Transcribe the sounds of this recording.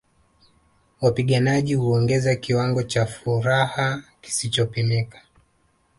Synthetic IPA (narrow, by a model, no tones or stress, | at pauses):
wapiɠanaʄihuɔŋɡɛzakiwaŋɡɔt͡ʃafuɾahaki̥sit͡ʃɔpimikḁ